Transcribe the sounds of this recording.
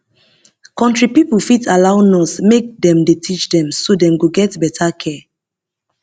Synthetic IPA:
kɔ̃ntɹipipufitʰalaʊnɔsmek̚dɛ̃mdetʰit͡ʃdɛ̃msodɛ̃mɡoɡɛtbɛtʰakʰɛ

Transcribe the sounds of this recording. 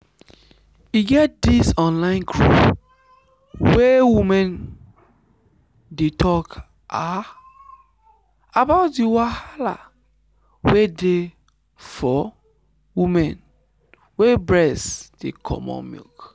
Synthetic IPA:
iɡɛt̚disɔ̃nlãɪ̃nkʰɹṵp | wewimɛ̃n | detʰɔk | ʔa | abaʊt̚diwahala̰ | wede | fɔ | wimɛ̃n | webɹɛsd̥ḛkʰɔ̰mɔ̰̃nmḭlk

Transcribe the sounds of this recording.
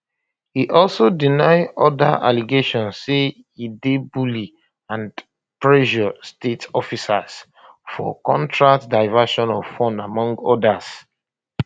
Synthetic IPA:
hiʔɔlsodinaɪdɔdaʔa̰liɡeʃɔ̃nsːe | hidebuli | ãn | pɹɛʃɔstetɔfisas | fɔ̰kɔ̃ntʰɹaktdaɪvaʃɔ̃nɔfɔ̃ndamɔ̃ŋɡɔdas

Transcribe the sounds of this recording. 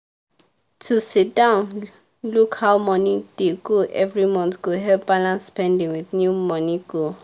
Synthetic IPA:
tʰusit̚dãʊ̃n | lukhaʊmɔnid̥eɡoʔɛvɹimɔ̃ntɡ̥oɦɛpb̥alãnsːpɛ̃ndĩŋwiθnjumɔniɡo

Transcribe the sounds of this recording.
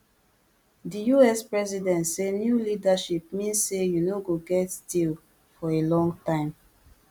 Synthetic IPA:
dijuɛspɹɛzidɛ̃ntsenjulidaʃip̚mĩnsːejunoɡoɡɛtstil | fɔelɔ̃ŋɡtãɪ̃m

